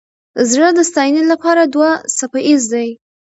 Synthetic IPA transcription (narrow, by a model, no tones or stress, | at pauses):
zɻəd̪əst̪ɑjnelapɑɾad̪wasapaʔizd̪aj